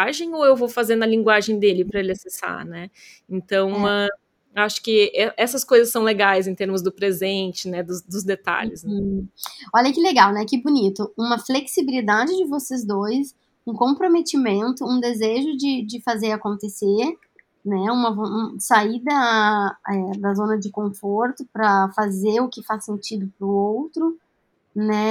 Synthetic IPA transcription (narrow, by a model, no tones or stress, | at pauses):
aʒẽj̃oewvowfazeɾnɐlĩŋɡwaʒẽj̃d̪elɪpɾɐelɪasesa̰ɾnɛ | ẽnt̪ɐ̃w̃ɐ̃ | aʃʊ̥kɪɛʔɛsɐskojzɐsːɐ̃w̃leɡajzẽt̪eɾmʊzd̪ʊpɾezẽnt͡ʃɪnɛd̪ʊsd̪ʊzd̪et̪a̰ʎɪsn | ɔʎɐkɪleɡawnɛkɪbunit̪ʊũmɐfleksibilid̪ad͡ʒɪd͡ʒɪvosezd̪ojs | ũkõpɾomet͡ʃimẽnt̪ʊũd̪ezeʒʊd͡ʒɪd͡ʒɪfazeɾakõnt̪eseɾ | nɛũmɐvsaid̪ɐ | ɛd̪ɐzõnɐd͡ʒɪkõfoɾt̪ʊpɾɐfazeɾʊkɪfasːẽnt͡ʃid̪ʊpɾʊowt̪ɾʊ | nɛ